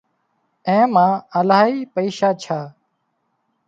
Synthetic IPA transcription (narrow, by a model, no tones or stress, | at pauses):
ẽːmãːəlaːɦiːpəiːʃaːt͡ʃʰaː